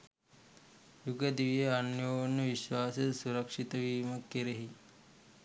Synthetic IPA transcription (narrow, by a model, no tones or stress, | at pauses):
juɡəd̪iʋijeanjoːnːəʋiʃʋaːsəsuɾɐkʂit̪əʋiːməkːeɾeɦi